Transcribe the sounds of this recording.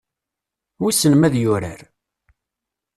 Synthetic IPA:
wisənmæðjʊɾə̰ɾ

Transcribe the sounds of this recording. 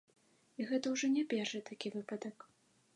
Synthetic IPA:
iɣɛt̪ɐwʐɔnʲɛpʲɛrʂɨt̪akʲivɨpɐd̪ɐk

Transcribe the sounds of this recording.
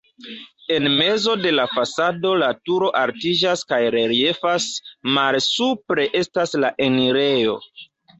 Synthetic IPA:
e̞nme̞zo̞de̞lafasado̞latuɾo̞ʔaɾtid͡ʒaskajɾe̞ɾie̞fasmalsupɾe̞ʔe̞staslaʔeniɾe̞jo̞̰

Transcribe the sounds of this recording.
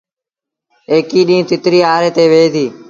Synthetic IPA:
eːkiːɗĩːt̪ɪt̪ɾiːaːɾeːt̪eːʋeːt̪iː

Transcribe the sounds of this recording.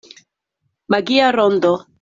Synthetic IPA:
maɡiaɾɔnd̪ɔ

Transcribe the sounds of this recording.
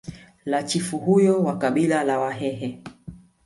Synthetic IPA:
lat͡ʃifuɦujɔwakaɓilalawaɦɛɦɛ

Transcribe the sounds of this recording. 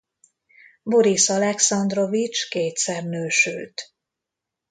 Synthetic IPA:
bo̞ɾisɒlɛksɒnd̪ro̞vit͡ʃkeːt̪sɛrnøːʃylt̪

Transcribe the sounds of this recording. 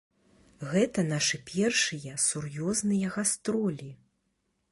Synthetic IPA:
ɣɛt̪ɐn̪aʂɨpʲʰɛrʂɨjɐsurjɔznɨjɐɣast̪ɾɔlʲi

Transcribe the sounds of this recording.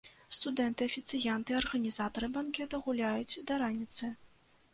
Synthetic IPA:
st̪ud̪ɛnt̪ɨɐfʲit̪sɨjant̪ɨɐrɣɐnʲizat̪ɐɾɨbankʲɛt̪ɐɣulʲajut͡sʲd̪ɐɾanʲit̪sɨ

